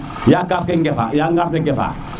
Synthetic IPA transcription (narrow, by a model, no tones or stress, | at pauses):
jakafkɛŋɡɛfa̰jaŋɡafkɛɡɛfa̰